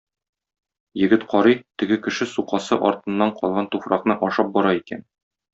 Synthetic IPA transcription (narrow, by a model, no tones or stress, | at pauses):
jɘ̆ɡɘt̪qʰɒɾɤt̪ɘ̆ɡɘkɘ̆ʃɘsuqɑsɤʔɒɾt̪ɤ̆nːɑɴqɒlˠʁɑnt̪ufɾɑqnɤʔɒʃɑp̚bɒɾɑikæ̰n